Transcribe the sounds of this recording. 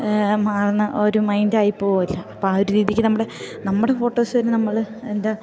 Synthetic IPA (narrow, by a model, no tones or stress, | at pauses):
maːrɐnːɐʔoɾumɐjndaːjipːoːilːɐɐpːooɾuɾiːðjikʲːɨnɐmːuɽe̞nɐmːuɽe̞fo̞ːʈːo̞ːsoɾenɐmːɐɭ | enda